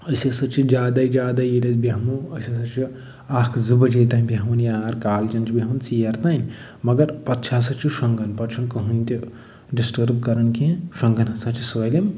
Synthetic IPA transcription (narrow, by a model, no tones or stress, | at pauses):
ɐsʲɐsɐt͡ʃʰid͡ʒʲaːd̪aid͡ʒaːd̪ajiɾɐzbʲɐɦmuɐsʲɐsɐt͡ʃʰi | aːkʰzɨbɐd͡ʒeːt̪aːnʲbʲɐɦɐmunjaːɾkaːlt͡ʃɐnt͡ʃʰibʲɐɦɐmɐnsijɐɾt̪anʲ | mɐɡɐɾpɐt̪ːt͡ʃʰas̬ɐt͡ʃʰiʂɐŋɡɐnpɐt͡ʃʰunkɐɦunt̪ʲu | ɖisʈɐɾbkɐɾɐnkʰẽʂɐŋɡɐnɐsãt͡ʃʰisɐlim